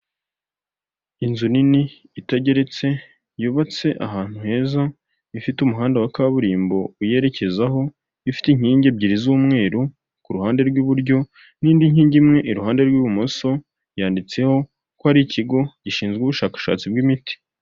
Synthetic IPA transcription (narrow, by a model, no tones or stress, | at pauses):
inzuniniː | teɟe̞ɾe̞t͡se̞ | juːβat͡se̞ʔaɦaːn̥uhe̞ːza | ifitumuɦaːndewakaβuɾiːmbo̞uje̞ɾe̞ce̞zaɦo̞ | ifi̥tiɲ̥iːɲɟe̞b̚ɟiɾizuːmŋe̞ːɾu | kuɾuhaːnde̞ɾɡuβuɾɟo̞ | niːndiɲ̥iːɲɟimŋe̞ʔiɾuhaːnde̞ɾɡwuβumoso̞ | jaːndit͡se̞ho̞ | kohaɾiciɡo̞ɟ̥iʃiːnzɡuβuʃaːkḁʃa̰ːt͡sib̚ɡimiti̥